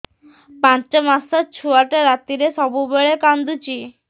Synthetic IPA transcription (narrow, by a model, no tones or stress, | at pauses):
pãt͡ʃamasat͡ɕʰuaʈeɾat̪ːiɾesɔbubeɭekand̪ut͡ɕi